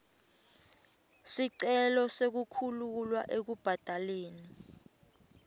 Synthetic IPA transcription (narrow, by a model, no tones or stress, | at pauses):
siǀɛlɔsek̬ukʰululwa̰ʔek̬ub̥ʱad̥ʱaleːni